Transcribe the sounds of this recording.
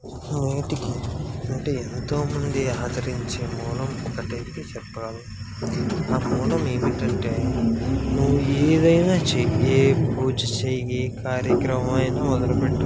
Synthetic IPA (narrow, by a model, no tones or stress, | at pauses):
meːʈikiɐɳʈeːent̪o̞ːmɐnd̪iaːd̪ɐɾiɲt͡ʃeːmuːlɐmɔkɐʈɐjt̪eːt͡ʃɛpːaːlu | aːmuːlɐmeːʋiʈɐɳʈeː | nuʋueːd̪ɐjnaːt͡ʃeɡeːpuːd͡ʒɐt͡ʃejɡekaːɾjɐkɾɐmɐmɐjnɐːmɔd̪ɐlɐpeɖːu